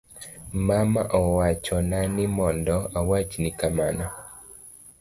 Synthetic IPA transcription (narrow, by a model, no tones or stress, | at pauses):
mamaʔɔwat͡ʃɔnanɪmɔndɔawat͡ʃnɪkamanɔ